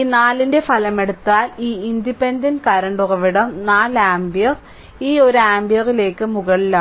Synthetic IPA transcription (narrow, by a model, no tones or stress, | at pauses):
inaːlinde̞fɐlɐme̞ɽut̪ːaːliːind̪ipendɐnkɐɾɐɳɖurɐʋiɽɐmnaːlaːmbijɐr | iːo̞ɾuaːmbijɐrile̞ːkːɨmuɣɐɭila